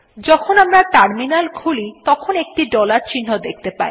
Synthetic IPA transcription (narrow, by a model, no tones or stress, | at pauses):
d͡ʑɔkʰonamɾaʈaɾminalkʰulit̪ɔkʰonek̚ʈiɖɔlaɾt͡ɕinːod̪ek̚ʰt̪epa̰i